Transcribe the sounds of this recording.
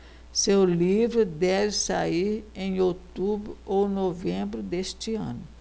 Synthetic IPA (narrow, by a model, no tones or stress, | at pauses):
sewlivɾʊd̪ɛvɪsaiɾẽj̃ot̪ubɾʊʔownovẽmbɾʊd̪eʃt͡ʃiɐ̰̃nʊ